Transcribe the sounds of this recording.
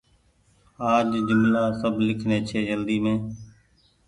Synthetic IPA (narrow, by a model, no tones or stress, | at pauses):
aːd͡ʒd͡ʒʊmlaːsəbʱlɪkʰneːt͡ʃʰeːd͡ʒəld̪iːmẽː